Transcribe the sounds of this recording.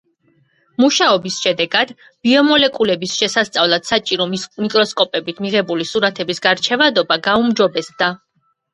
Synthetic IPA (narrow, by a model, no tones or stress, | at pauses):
muʃaɔbisʃɛd̪ɛɡad̪ | b̥iɔmɔlɛkʼulɛbisʃɛsast̪sʼavlˠat̪sat͡ʃʼiɾɔmikʼɾɔskʼɔpʼɛbit̪ʰmiʁɛbulisuɾat̪ʰɛbisɡaɾt͡ʃʰɛvad̪ɔbaɡaumd͡ʒɔbɛsd̪a